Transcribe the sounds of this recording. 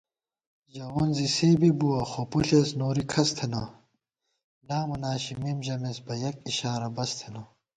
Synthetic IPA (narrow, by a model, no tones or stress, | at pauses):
ʑɐonzisiːbibuɐxopuɬeːsnoːɾikʰɐst̪ʰeno | laːmunaːɕimimʑɐmesbɐjɐk̚iɕaːɾɐbɐst̪ʰeno